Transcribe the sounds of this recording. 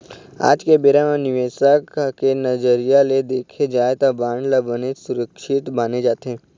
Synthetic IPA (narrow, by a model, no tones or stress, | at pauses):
a̰ːd͡ʒkebeːɾãmãnɪʋesakkenəd͡ʒəɾijaled̪eːkʰed͡ʒaːet̪abaːɳɖlabənesʊɾəkʃɪt̪baːned͡ʒaːt̪ɦẽ